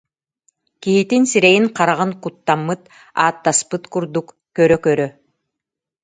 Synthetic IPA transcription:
kiɦit̪insiɾɛjiŋqaɾaʁɯŋkut̪ːamːɯt̪ | aːt̪ːaspɯt̪kuɾd̪uk | kœɾœkœɾœ

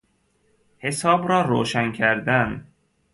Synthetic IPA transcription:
he̞sɒːbɾɒːɾo̰ːʃæncʰæɾd̪æn

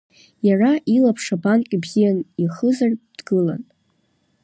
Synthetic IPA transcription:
jaraʔilapʰʂabankʼibzijaniχəzard̥ɡɨla̰n

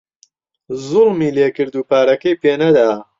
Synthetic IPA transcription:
zʊlmiːleːkɨɾd̪uːpaːɾɐkɐjpeːnɐd̪aː

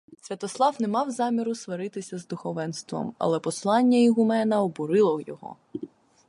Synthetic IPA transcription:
sʲʋʲɐt̪ɔslˠɑwnɛmɑwzɑmʲiɾʊsʋɐɾɪt̪ɪsʲɐzd̪ʊxɔʋɛnst̪ʋɔ̰mɐ̰lˠɛpɔslˠɑnʲːɐiɦʊmɛnɐɔbʊɾɪlˠɔjɔ̰ɦɔ̰

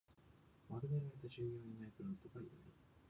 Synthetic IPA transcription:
maɾɯmeɾait̪aʑɨːjo̞ːɲʲinaipɯ̟ɾɯnt̪oɡaieɾɯ̟

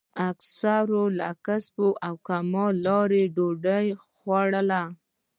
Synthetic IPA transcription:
aksaɾola̰kasboʔawkamɑlɑɾeɖoɖəj | xwaɽəla

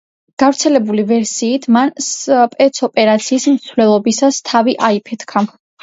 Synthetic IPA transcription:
ɡ̥avɾt̪sʰɛlɛbulivɛɾsiːt̪ʰmanspʼɛt̪sʰɔpʼɛɾat̪sʰiːsmt̪sʰvlɛlˠɔbisast̪ʰaviʔaipʰɛt̪ʰkʰa

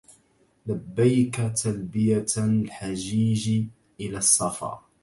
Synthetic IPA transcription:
labːajkat̪ʰalbɪjalħad͡ʒiːʒ | ʔɪlasˤːɑfɑ̰ː

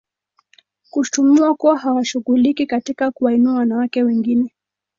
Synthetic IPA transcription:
kutumuakuwahawaʃuɣulikikatikakuwainuawanawakɛwɛŋɡinɛ

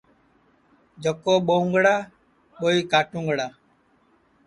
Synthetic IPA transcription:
d͡ʒəkoːɓoːʊ̃ŋɡɽaː | ɓoːiːkaːʈũːŋɡɽaː

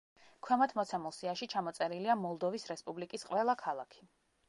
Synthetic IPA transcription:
kʰwɛmat̪ʰmɔt̪sʰamɔlˠsiaʃit͡ʃʰamɔt̪sʼɛɾiliamɔlˠd̪ɔvisɾɛspʼublikʼisqʼwɛlˠakʰalˠakʰi̥

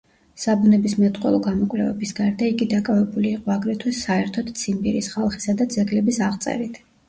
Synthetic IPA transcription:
sabunɛbismɛt̪ʼqʼwɛ̰lˠɔɡamɔkʼwlɛ̰vɛ̰bisɡaɾd̪aiɡid̪akʼavɛbuliːqʼɔaɡɾɛt̪ʰwɛsaɛɾt̪ʰɔd̪t̪sʰimbiɾḭsχalˠχi̥sad̪ad̪zɛɡlɛbisaʁt̪sʼɛ̰ɾit̪ʰ

